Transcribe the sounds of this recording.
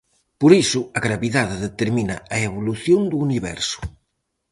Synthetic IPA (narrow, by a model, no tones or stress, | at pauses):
poɾisʊaɣɾaβiðaðeðet̪eɾminaaeβoluθjond̪uːniβɛ̰ɾsʊ̥